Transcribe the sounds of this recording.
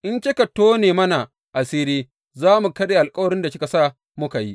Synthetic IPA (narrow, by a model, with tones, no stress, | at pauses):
ʔɪ˦nt͡ʃe˦kɐ˨tːoː˦neː˨mɐ˦na˨ | ʔa˨siː˦ɾiː˦ | zaː˦mu˨kɐ˦deː˨ʔa˨lkʼɐ˦wɐ˨ɽɪ˦nda˨kʲɪ˦ka˨saː˦ | mʊ˦ka˨ji˦ʔ